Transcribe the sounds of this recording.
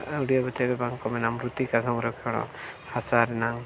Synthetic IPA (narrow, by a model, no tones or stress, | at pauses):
uɽijabɔt̪ɛbɛbaŋkɔmɛnamɾut̪ikasɔŋɾɔkʰɔɽ̃ɔ̰ | hasaɾɛnaŋ